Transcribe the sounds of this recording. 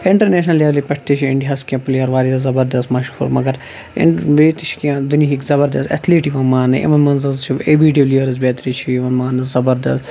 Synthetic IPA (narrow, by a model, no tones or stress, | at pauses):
ɪɳʈɐɾneːʃnɐleʋlipɐʈ̚ʰt̪it͡ʃʰiɪɳɖiɦɐskʲjãːpɐliʋɐɾʋaːɾizɐzɐbɐɾd̪ɐst̪mɐʃupʰṵːɾmɐɡɐɾ | ɪ̰ʋeːt̪it͡ʃʰkjãːd̪uniɦikzɐbɐɾd̪ɐst̪ɐ̰t̪ʰliːʈiʋɐnmaːnɨʔḭʋɐnmɐnzɐzt͡ʃʰiebiːɖibliʋɐɾɨz̬beːt̪ɾit͡ʃʰiiʋɐnmaːnɨzzɐbɐɾd̪ɐst̪